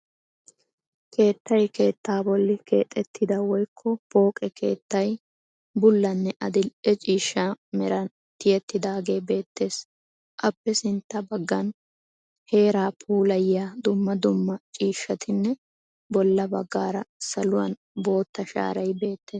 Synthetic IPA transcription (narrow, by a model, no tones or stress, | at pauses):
kʰe̞ːt̪ːɐjke̞ːt̪ːaːbɔlːɪke̞̰ːt̪ʼːɛt̪ʰːɪd̪ɐwɔjkʰːɔpo̞ːkʼɛkʰe̞̰ːt̪ːɐj | bʊlːɐnːɛʔɐd̪ɪɛt͡ʃʼiːʃːamɛɾɐn | t̪ɪjɛt̪ːɪd̪aːɡe̞ːbe̞ːt̪ːe̞ːs | ʔɐpːɛsɪnt̪ːɐbɐɡːɐn | he̞ːɾaːpʰuːlɐjɪjaːd̪ʊmːɐd̪ʊmːɐt͡ʃʼiːʃːɐt̪ɪnːɛ | bɔlːɐbɐɡːaːɾɐsɐlʊwɐ̰n | bo̞ːt̪ːɐʃa̰ːɾɐjbe̞ːt̪ːe̞ːs